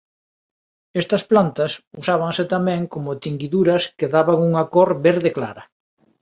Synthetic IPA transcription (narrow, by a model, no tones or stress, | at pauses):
ɛst̪ɐsplant̪ɐsusaβ̞aŋsɪt̪amɛ̃ŋkomʊt̪iŋɡiðuɾɐskeðaβaŋuŋɐkoɾβeɾðekla̰ɾɐ